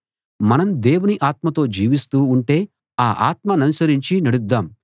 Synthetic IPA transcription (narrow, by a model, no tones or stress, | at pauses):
mɐnɐmd̪eːwuniʔaːt̪mɐt̪o̞ːd͡ʒiːʋist̪uːɳʈe̞ː | aːʔaːt̪mɐnɐnisɐɾiɲt͡ʃinɐɽud̪ːaːm